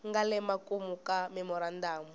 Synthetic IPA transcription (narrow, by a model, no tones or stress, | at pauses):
ŋɡalɛmakumukamɛmɔɾandaːmu